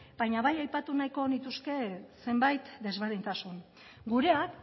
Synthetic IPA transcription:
b̥ajɲaβajajpat̪unajko̞nit̪uske̞se̞mbajt̪d̪e̞zβeɾðint̪asuŋ | ɡuɾe̞ak

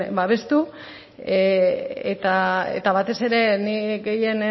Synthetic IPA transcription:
baβe̞st̪u | et̪aḛt̪aβat̪e̞se̞ɾe̞niɡe̞je̞n

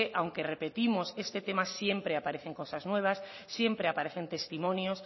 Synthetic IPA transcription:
eʔawŋkerepet̪imosest̪et̪emasje̞mpɾeapaɾeθeŋkosaznweβ̞asː | je̞mpɾeapaɾeθent̪e̞st̪imõnjos

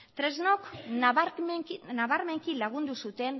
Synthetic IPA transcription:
t̪ɾe̞zno̞k | naβaɾme̞ŋkilaɣ̞und̪usut̪e̞n

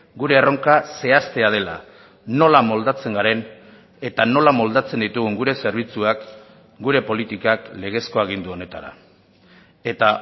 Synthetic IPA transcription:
ɡuɾe̞ːro̞ŋkase̞ast̪e̞að̞e̞la̰ | no̞lamo̞ld̪at͡se̞ŋɡaɾe̞n | e̞t̪ano̞lamo̞ld̪at͡se̞nd̪it̪uɣuŋɡuɾe̞se̞ɾβ̞it͡suak | ɡuɾe̞po̞lit̪ikakle̞ɣ̞e̞sko̞aɣ̞ind̪uo̞ne̞t̪a̰ɾa̰ | e̞t̪a

